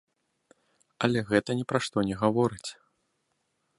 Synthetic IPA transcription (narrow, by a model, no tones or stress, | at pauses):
ɐlʲɛɣɛt̪ɐnʲɛpɾaʂt̪ɔnʲɛɣavɔɾɨt͡sʲ